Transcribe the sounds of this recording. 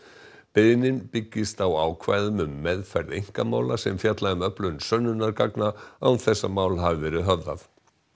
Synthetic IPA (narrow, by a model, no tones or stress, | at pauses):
pɪðnɪnpɪcːɪst̪awaːwkʰvaːjðʏmʏmːɛðfɛɾðejŋ̥kamaːwlasɛmfjat̪laɪmœplʏnsœnːʏnaɾkaknaawθɛsːamaːwlɦavɪvɛːɾʏɦœvða̰θ